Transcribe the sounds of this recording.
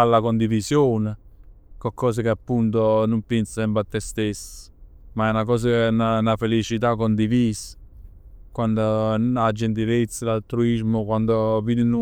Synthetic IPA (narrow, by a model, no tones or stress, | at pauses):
alːakond̪ivisjoːne | kokʰːɔːs̬əkeapːunt̪onumpensəsɛmpɾat̪ːɛst̪esː | maɛnakɔːs̬ananafelit͡ʃit̪akːond̪iviːs | kwand̪oad͡ʒːent̪̬ilet̪sːalalt̪ɾuizmʊkwand̪oviːd̪in